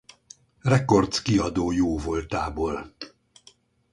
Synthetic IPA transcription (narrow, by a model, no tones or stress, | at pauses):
rɛko̞rt̪skiɒd̪oːjoːvo̞lt̪aːbol